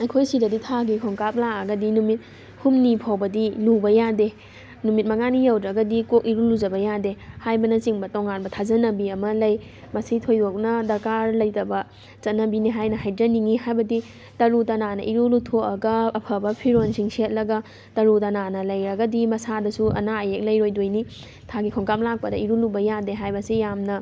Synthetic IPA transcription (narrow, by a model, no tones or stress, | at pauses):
ɐjkʰojsidɐditʰaɡikʰoŋkap̚laɐɡɐdinumit̚ | humnipʰawbɐdinubɐjade | numit̚mɐŋanijawdɾɐɡɐdikok̚iɾulud͡ʒɐbɐjadehajbɐnɐt͡ʃiŋbɐtoŋanbɐtʰazɐnɐbiɐmɐlɐj | mɐsitʰojdok̚nɐdɐɾkaɾlɐjtɐbɐ | t͡ʃɐt̚nɐbiniɦajnɐɦajdɾɐniŋiɦajbɐdi | tɐɾutɐnanɐ̰ʔiɾulutʰokɐɡɐːpʰɐbɐpʰiɾonsʰiŋsiɐt̚lɐɡɐ | tɐɾutɐnanɐlɐjɾɐɡɐdimɐsadɐsuɐ̰naɐjek̚lɐjɾojdojni | tʰaɡikʰoŋkap̚lak̚pɐdɐiɾulubɐjadeɦajbɐsijamnɐ